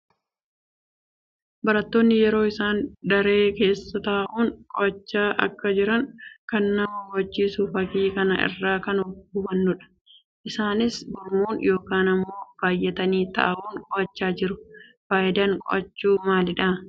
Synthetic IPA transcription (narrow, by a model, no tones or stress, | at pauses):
bɐɾɐt̪ːoːnːɪjɛɾo̞ːɪsaːnd̪ɐɾe̞ːke̞ːsːɐt̪ɐʔɐʔuːŋkʼɔ̰ʔɐt͡ʃːaːʔɐ̰kːɐd͡ʒɪɾɐŋkɐnːɐmɐwɐt͡ʃːiːsʊfɐkiːkɐnɐʔɪ̰rːaːkɐnɔʊbɐnːʊᶑɐ̥ | ʔɪsaːnɪsbʊɾmuːnjo̞ːkaːnɐmːo̞ːb̥aːjːɛt̪ɐniːt̪ɐ̰ʔɐʔuːŋkʼɔʔɐt͡ʃːaːd͡ʒɪɾʊfaːjʔɪd̪ɐŋkʼɔ̰ʔɐt͡ʃːuːmaːlɪᶑɐː